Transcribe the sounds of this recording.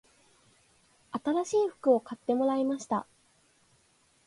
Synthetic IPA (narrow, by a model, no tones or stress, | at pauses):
at̪aɾaɕiːɸɯ̟̥kɯ̟o̞kat̪ːe̞mo̞ɾaimaɕi̥t̪a̰